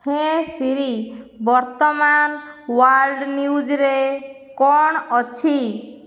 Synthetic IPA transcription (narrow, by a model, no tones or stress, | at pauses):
hẽsiɾibɔɾt̪ɔmanwalɖniud͡ʒɾe | kɔɳɔt͡ʃʰi